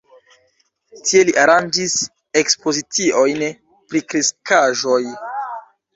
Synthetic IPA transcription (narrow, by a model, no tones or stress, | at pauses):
tie̞liʔaɾand͡ʒis | e̞kspo̞zit͡siʔo̞jn | pɾikɾiskaʒo̞j